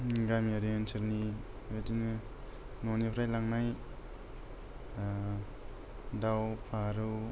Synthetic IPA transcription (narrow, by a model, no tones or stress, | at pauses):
ɡamiaɾiensʰɯɾni | edin | nonipʰɾajlaŋnaj | dawpʰaɾɯw